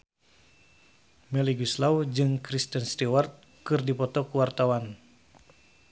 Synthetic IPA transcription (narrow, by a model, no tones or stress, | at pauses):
mɛliɡuslawd͡ʒɨŋkɾist̪ənst̪iwart̪̚ | kɨrdipɔt̪ɔkuwart̪awan